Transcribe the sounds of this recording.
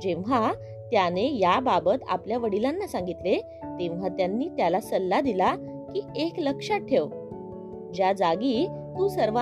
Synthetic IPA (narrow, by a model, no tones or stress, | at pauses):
d͡ʑẽʋʋa | t̪janejababət̪a̰pljaʋəɽilanːasãŋɡit̪le | t̪ẽʋʋat̪janːiːt̪jalasəlːad̪ila | kiːekləkʂaʈʰːeʋ | d͡ʑjad͡zaɡiː | t̪uːsəɾʋa